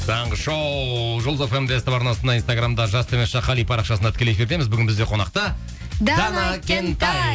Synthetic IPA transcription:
t̪ʰɑɴʁəʃowʒʊlˠzefemd̪est̪epɑɾnɑlˠsənɑijnst̪aɡramd̪ɑʒɑst̪ʰemesʃɑqʰɑlˠijpʰɑɾɑqʃɑsənɑt̪ɪ̥kʰʲeekʲeɾt̪e̞mɪzbʏɡʲɪnbɪzd̪e̞qʰo̞nɑqt̪ə | d̪d̪anakʲent̪a

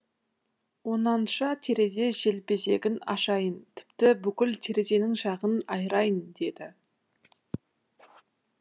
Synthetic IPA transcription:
wo̞nɑnʃɑt̪ʰe̞ɾe̞ze̞ʒe̞lpe̞se̞̰ɡʲɪnɑ̰ʃɑjənt̪ʰɪ̥pt̪ɪbʏkʲɪlt̪ʰe̞ɾe̞ze̞nɪŋʃɑʁənɑjɾɑjənd̪e̞d̪ɪ

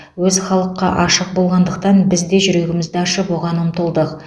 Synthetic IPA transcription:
wɵzχɑlˠəqːɑʔɑʃəq̚bo̞lˠʁɑnd̪əq̚t̪ɑnbɪzd̪e̞ʒʏɾe̞ɡʲɪmɪzd̪ɪɑʃəpwo̞ʁɑnəmt̪əlˠd̪əq

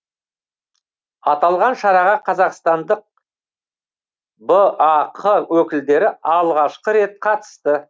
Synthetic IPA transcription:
ɑt̪ɑlˠʁɑnʃɑɾɑʁɑqʰɑzɑqst̪ɑnd̪əq̚ | bəaqʰəwɵkʲɪld̪e̞ɾɪɑlˠʁɑʃqəɾe̞t̪̚qʰɑt̪ə̥st̪ə

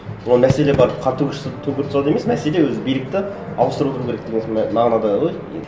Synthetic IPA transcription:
olˠmæse̞lebɑɾəpqʰɑt̪ʰːukʲɪst̪ʰɵŋkʲɪɾt̪sɑd̪ɑeme̞smæse̞le̞wɵzɪbijlɪk̚t̪ɪ | ɑlˠəst̪ɾuot̪əɾukʲʰeɾekd̪e̞ɡenmɑʁnɑd̪ɑʁojjḛ

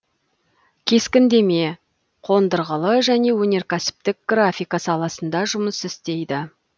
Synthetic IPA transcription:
kʲʰe̞skʲɪnd̪e̞me̞ | qʰo̞nd̪əɾʁəlˠəʒæne̞wɵne̞ɾkʲʰæsɪ̥p̚t̪ɪk̚ɡ̥rafʲijkɑsɑlˠɑsənd̪ɑʒʊməsɪst̪e̞jd̪ɪ

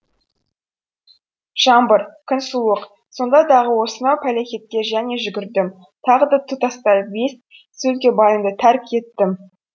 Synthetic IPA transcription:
ʒ̥ɑmbəɾkʲʰɪnsuəq | so̞nd̪ɑd̪ɑʁəwo̞sənɑwpʰælexʲet̪̚kʲe̞ʒæne̞ʒʏɡʲɪɾd̪ɪm | t̪ʰɑʁəd̪ɑt̪ʰut̪ɑst̪ɑbe̞s | sɵlkʲe̞bɑjəmd̪ət̪ʰæɾkkʰʲe̞t̪ːɪm

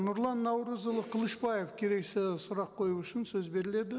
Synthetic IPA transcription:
nʊɾlˠɑnːɑwɾəzəlˠəqʰəlˠəʃbɑjefkʲʰe̞ɾe̞ksɪsʊɾɑqʰːo̞juʊʃɪnsɵzbe̞ɾɪle̞d̪ɪ

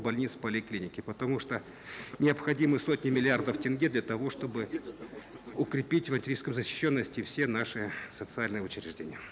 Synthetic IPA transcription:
bɐlʲnʲit̪spəlʲɪklʲinʲɪkʲɪpət̪ɐmuʂt̪o | nʲɪəpxɐdʲimɨjso̞tʲnʲɪmʲɪlʲɪard̪əftʲɪnɡʲed̪lʲɐt̪ɐvo̞ʂt̪o̞bɨ | ʊkɾʲɪpʲitʲvɐnʲtʲɪɾʲijskəmzəɕːɪ̥ɕːonːəsʲtʲɪfsʲenaʂɨsət̪sɨalʲnɨjəʊt͡ɕɾʲɪʐdʲenʲɪjə

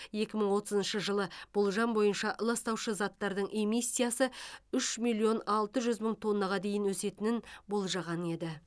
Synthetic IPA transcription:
je̞kʲɪməɴwo̞t̪əzənʃəʒəlˠəb̥olˠʒɑmbo̞jənʃɑʔlˠɑst̪ɑwʃəzɑt̪ːɑɾd̪əɴʔe̞misːijasəʏʃmilˠio̞nɑlˠt̪əʒʏzməɴt̪ʰo̞nːɑʁɑd̪e̞jɪnwɵse̞t̪ɪnɪnbo̞lˠʒɑʁɑne̞d̪ɪ

